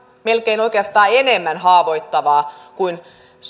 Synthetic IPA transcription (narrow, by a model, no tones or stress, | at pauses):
melkeinoikeɑst̪ɑːenemːænhɑːʋo̞it̪ːɑʋɑːkuin | s